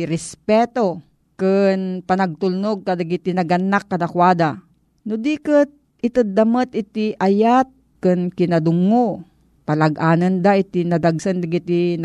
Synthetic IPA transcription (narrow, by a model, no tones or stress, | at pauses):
ɾɛspɛt̪o | kɨnpɐnɐɡ̚t̪ʊlnoɡ̚kɐd̪aɡit̪ɪnɐɡɐnːakːɐd̪akwaːd̪a | nʊd̪ikət̪̚ | ɪt̪əd̪ːɐmɐt̪ʔɪt̪iʔɐjat̪̚kɨnkɪnɐd̪ʊŋo | pɐlɐɡʔaːnɐnd̪aʔɪt̪inɐd̪aɡsand̪ɐɡit̪in